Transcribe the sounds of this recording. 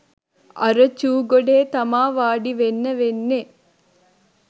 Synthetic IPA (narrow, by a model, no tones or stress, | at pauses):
ɐ̰ɾət͡ʃuːɡoɖeːt̪ɐmaːʋaːɖiʋenːəʋenːe